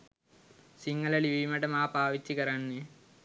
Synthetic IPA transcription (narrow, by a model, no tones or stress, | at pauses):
siŋːɐlɐɭiʋimɐɽɐmaːpaːʋit̪ːikɐɾaɳːi